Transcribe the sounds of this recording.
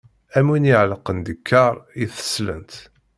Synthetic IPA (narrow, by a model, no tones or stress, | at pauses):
æminiʕləqːənd̪əkʰːɑɾˤiθə̥slə̰nt̪